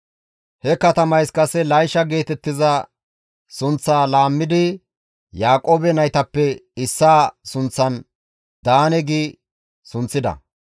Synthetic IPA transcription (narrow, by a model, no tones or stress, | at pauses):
hɛkɐt̪ɐmɐjskɐsɛlɐjʃɐɡe̞ːt̪ɛt̪ːɪzɐ | sʊnt͡sːaːlaːmːɪd̪ɪ | jaːkʼoːbɛnɐjt̪ɐpːɛɪsːaːsʊnt͡sːɐn | d̪̥aːnɛɡiː | sʊnt͡sːɪd̪ɐ̰